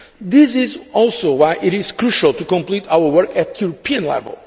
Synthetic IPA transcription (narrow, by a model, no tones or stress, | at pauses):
ðɪsɪzɔlˠsowaɪʔiɾɪz̥kɹuʃəlˠt̪ukɔ̃mplitawə˞wɜ˞kɨt̪juɾopʰiə̃nlɛ̰və̰lˠ